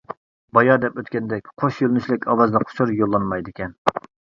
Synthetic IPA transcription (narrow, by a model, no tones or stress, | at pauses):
bɑjɑd̪ɛpøt̪kʲɛnd̪ɛkʲqʰoʃjølnyʃlɪkʲɑwɑzd̪ɑqʰʊ̥ʃʰuɾjolˠːɑnmɑjd̪ɪkʲʰɛn